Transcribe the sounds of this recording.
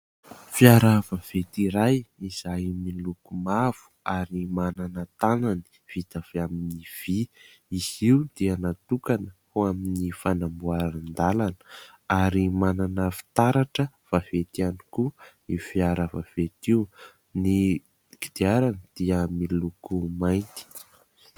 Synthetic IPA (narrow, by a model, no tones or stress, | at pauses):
fiaɾavəv̥et̪iɾajiz̥ajmilukumav̥u̥aɾimananət̪anani̥ | v̥it̪av̥eaminiv̥i | iziud̪̥ianat̪ukanəhoaminifanambuaɾannd̪alanə | aɾimananəfi̥t̪aɾaʈ͡ʂə | v̥av̥et̪ianiku | ifiaɾəvav̥et̪iu | ni | kid̪̥iaɾanəd̪̥iəmilukumajnt̪i̥